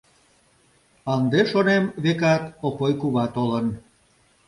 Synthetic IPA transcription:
ɑnd̪eʃonemβekɑt̪opojkuβɑt̪olən

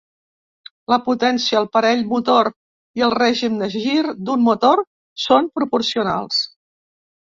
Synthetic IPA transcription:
ləput̪ɛnsiəːlˠpəɾɛʎmut̪oɾ | iəlˠrɛʒimd̪əʒiɾd̪ummut̪oɾ | sompɾupuɾsiuna̰lˠs

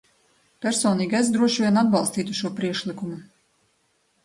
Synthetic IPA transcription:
pʲæɾsɔːniːɡʲazd̪ɾuɔʃvʲiɛnad̪̚bɑlˠst̪iːt̪uʃuɔpɾiɛkʃlikumu

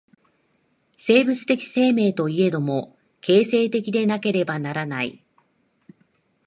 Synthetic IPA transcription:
se̞ːbɯ̟t͡sɨ̥t̪e̞kʲi̥se̞ːme̞ːt̪o̞ie̞d̪o̞mo̞ | ke̞ːse̞ːt̪e̞kʲid̪e̞nake̞ɾe̞banaɾanaḭ

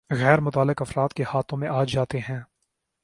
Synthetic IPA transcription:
ɣɛːɾmʊt̪aːlːɪkɐfɾaːt̪kehaːt̪ʰõmẽʔaːd͡ʒaːt̪eɦɛ̃ː

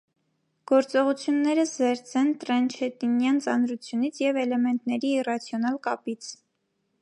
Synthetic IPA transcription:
ɡ̥ɔɾt͡sɔʁut͡sʰjunːɛɾəszɛɾt͡sʰɛnt̪ɾɛnt͡ʃʰɛt̪injɑnt͡sɑnɾut͡sʰjunit͡sʰjɛvɛlɛmɛnt̪nɛɾiːrɑt͡sʰjɔnɑlkɑpit͡sʰ

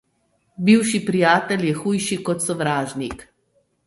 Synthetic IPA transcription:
biwʃipɾijaːt̪ɛljɛxuːjʃikɔt̪sɔʋɾaːʒnik

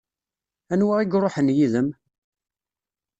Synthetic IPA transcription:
ænwæʁiɡɾˤoħənjiðəm

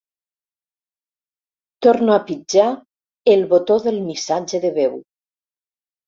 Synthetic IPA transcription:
t̪oɾnoapid͡ʒa | elˠβot̪oðelˠmisad͡ʒeðeβew

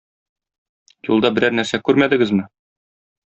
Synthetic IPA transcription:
jṵlˠd̪ɑbɘ̆ɾæɾnæɾsækʉɾmæd̪ɘ̆ɡɘzmɘ

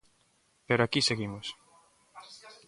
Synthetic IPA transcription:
peɾoakiseɣimos

